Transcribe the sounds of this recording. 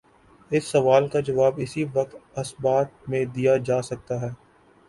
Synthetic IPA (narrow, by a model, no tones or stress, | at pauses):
ɪsːɐʋaːlkad͡ʒɐʋaːbɪsiʋɐk̚t̪ɐsbaːt̪̚mẽd̪ijad͡ʒaːsɐk̚t̪aɦɛː